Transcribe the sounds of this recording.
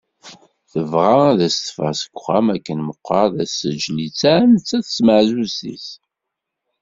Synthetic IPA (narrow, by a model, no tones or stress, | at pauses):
θəvʁaðæst̪ə̥fæsə̥kʷːχæmækːənməqːɑðæsːəd͡ʒlit͡sːænət͡sːæθə̥sməʕzusḭs